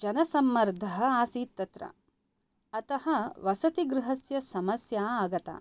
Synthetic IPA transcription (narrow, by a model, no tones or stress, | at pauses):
d͡ʒɐnɐsɐmːɐɾd̪ʱɐɦɐ̆aːsiːt̪ːɐt̪ɾɐ̰ | ɐt̪ɐɦɐʋɐsɐt̪iɡɾɪɦɐsjɐsɐmɐsjaːaːɡɐt̪a̰ː